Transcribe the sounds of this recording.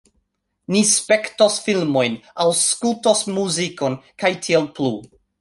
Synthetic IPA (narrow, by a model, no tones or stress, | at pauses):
nispektosfilmojnawskultosmuzikonkajtʰielplu